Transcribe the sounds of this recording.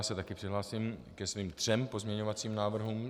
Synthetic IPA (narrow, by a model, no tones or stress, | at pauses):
asɛt̪akɪpr̥ɪɦlaːsɪmkɛsviːmt̪r̥ɛmpo̞zmɲɛɲo̞vat͡siːmnaːvr̩ɦuːm